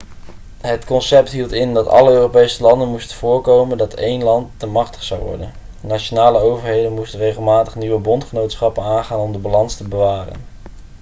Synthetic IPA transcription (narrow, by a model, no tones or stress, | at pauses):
ɦətkɔnsɛp̚tɦilˠtɪndɑtɑ̰ləøːrowpejsəlɑndənmustənv̥ʊːɹkowməndɑtejnlɑntːəmɑχtə̥χsɑwʋɔ̰ɹdə̰n | naʃonaːləowvəɹɦejdənmustənrejχəlˠmaːtəχniʋəbɔntχənowtsχɑpənaːnχaːnɔmdəbalɑnstəbəʋaːrə̰n